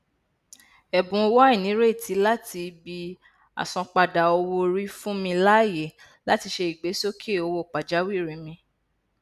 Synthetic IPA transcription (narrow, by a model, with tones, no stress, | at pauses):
ɛ˨bũ˨˧wa˦i˦˨nĩ˨˦ɾe˦˨tʰi˨˦la˦ti˧bi˧ | a̰˨sɔ̃˧k͡pa˧da˨o˧wo˧ɾi˦fũ˦mĩ˧la˦˨je˨ | la˦ti˧ʃe˧i˨ɡ͡be˨˦so˦kʰi˦e˦˨o˧wo˦˨k͡pa˨d͡ʒa˨˦wi˦˨ɾĩ˨˦mĩ˧